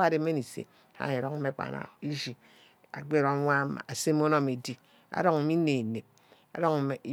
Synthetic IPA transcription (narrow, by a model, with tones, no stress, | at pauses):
a˦˨de˨˦me˦ni˨sḛ˨ | ha̰˦˨e˨ɾo˦ŋm̩˦e˦k͡pa̰˨na̰˨i˦ʒi˨ | a̰˨ɡ͡be˦˨ɾo˨˦ŋʷa˦ma̰˨a˨se˦mo˦no˦me˨di˦ | a̰˦ɾo˦ŋ̩˨mi˦ne˨ne˨p̚ | a̰˨ɾo˦ŋ˨e˨˦